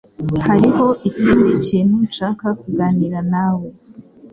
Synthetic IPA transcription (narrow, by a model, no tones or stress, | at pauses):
haɾiɦo̞ʔiciːndiciːn̥ut͡ʃaːkakuɡaːniɾanawe